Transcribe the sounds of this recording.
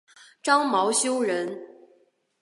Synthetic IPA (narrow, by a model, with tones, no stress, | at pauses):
ʈ͡ʂɑ˥ŋmɑ˧˥ʊɕjo˥ʊɻə˧˥n